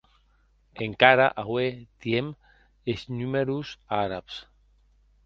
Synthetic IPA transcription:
eŋkaɾaʔaɣwet̪jem | esnumeɾusaɾaps

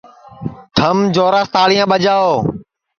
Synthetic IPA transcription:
t̪ʰəmd͡ʒoːɾaːst̪aːɽiːjãːɓəd͡ʒaːoː

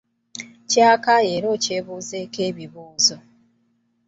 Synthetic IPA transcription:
caːkae̞ɾo̞ːce̞ːβuːze̞ke̞ːβiβuːzo

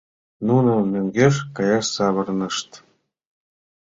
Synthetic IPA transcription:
nunɤ̆mʲøŋʲɡʲeʂkɑjɑʂsɑβɤ̆rnɤ̆ʂt̪

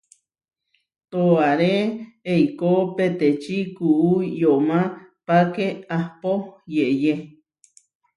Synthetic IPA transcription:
t̪oaɾeeikopet̪et͡ʃikuʔujomapakeahpojeʔje

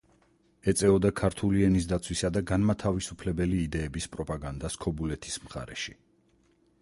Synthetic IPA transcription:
ɛt̪sʼɛɔd̪akʰaɾt̪ʰuliɛnis̬d̪at̪sʰwisad̪aɡanmat̪ʰavisupʰlɛbɛliːd̪ɛːbispʼɾɔpʼaɡand̪askʰɔbulɛt̪ʰi̥smχa̰ɾɛ̰ʃi

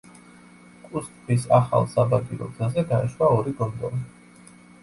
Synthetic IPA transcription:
kʼust̪ʼpʰwisaχa̰lˠsabaɡiɾɔ̰ɡzazɛɡaɛʃwaɔɾiɡɔnd̪ɔvi

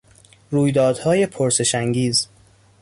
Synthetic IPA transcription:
ɾuːjd̪ɒːd̪̥hɒːje̞pʰoɾse̞ʃæŋɡiːz

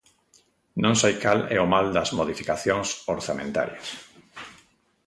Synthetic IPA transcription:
nõŋsajkalɛ̰omald̪ɐzmoðifikaθjoŋsoɾθamẽnt̪a̰ɾjas

